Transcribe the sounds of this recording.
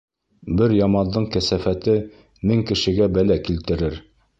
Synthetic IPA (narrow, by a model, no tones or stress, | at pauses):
bɘɾjɑmɑnd̪ɤɴkæsæfæt̪ɘ | mɘŋkɘ̆ʃɘ̆ɡæbælækilt̪ɘ̆ɾɘɾ